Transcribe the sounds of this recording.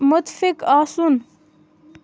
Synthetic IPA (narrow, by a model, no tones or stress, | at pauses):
mʊt̪fɪkaːsun